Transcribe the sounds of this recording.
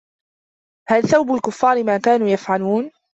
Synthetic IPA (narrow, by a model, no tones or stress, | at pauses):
halθawbʊlkʊfːɑːɾɪmaːkaːnuːjafʕaluːn